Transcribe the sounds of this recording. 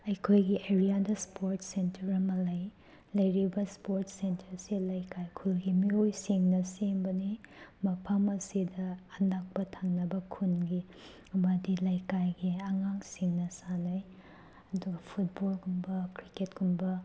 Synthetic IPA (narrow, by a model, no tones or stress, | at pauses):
ɐjkʰojɡiʔeɾijadɐspoɾtsentɐɾɐmɐlɐj | lɐjɾibɐspoɾtsentʰɐɾsilajkajkʰulɡimiojsiŋnɐsembɐnimɐpʰɐmɐsidɐːnak̚pɐtʰaŋnɐbɐkʰunɡi | ɐmɐdilɐjkajɡiɐŋaŋsiŋnɐsanɐj | ɐduɡɐpʰut̚bolɡumbɐkɾiketɡumbɐ